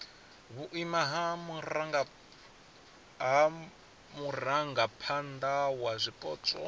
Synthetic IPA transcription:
βuʔimaɦamurɾaŋɡa | ɦa | muraŋɡapʰand̪awazʷipʼɔ̰t͡sʼɔ̰

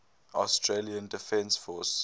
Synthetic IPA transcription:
astʰɹeliə̃ndɪfɛ̃nsfɔs

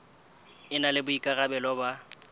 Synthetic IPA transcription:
ɪnalɪbʊikʼaɣabɛlɔba

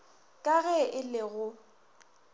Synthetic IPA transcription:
kʼaɣɛɪlɪɣʊ

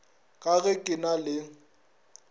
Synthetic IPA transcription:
kʼaɣɛkʼɪnalɪ

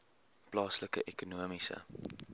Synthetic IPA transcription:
plɑːsləkə̰ʔekunuəmisə̰

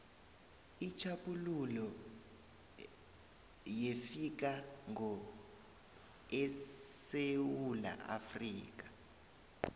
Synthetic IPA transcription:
it͡ʃʰaɓʼululɔ | jefik̬aŋɔ | ɛsewula̰ʔa̰friːk̬ḁ

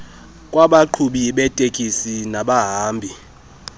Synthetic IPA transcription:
kʼwaɓaǃʰuɓiɓɛtʼekʼisinaɓaɦaːmbʱi

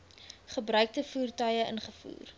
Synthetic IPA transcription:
χəbrœɥk̚təfuːrtœjəʔə̰nχəfṵːr

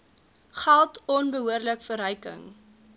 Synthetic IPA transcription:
χælˠtɔnbəɦuərləkfəɾœjkə̰ŋ

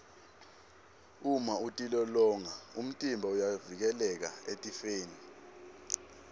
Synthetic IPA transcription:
umautʼilɔlɔːŋaum̩tʼimbʱaujavik̬ɛlɛk̬a̰etʼifeːni

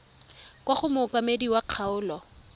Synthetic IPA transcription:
kwaχʊmʊkʼamediwaq͡χʰaʊːlɔ

